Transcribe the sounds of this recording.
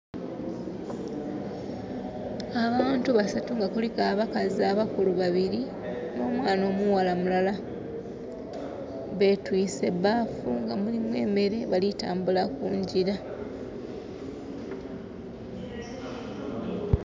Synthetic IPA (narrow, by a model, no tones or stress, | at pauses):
aβaːntuβasatuŋɡakolikaːβakaziaβakuluβaβiɾi | no̞ːmwaːno̞ːmuwalamulala | βe̞twiːse̞baːfuŋɡamulimwe̞̰ːme̞ɾe̞βalitaːmbulakuːɲɟiɾa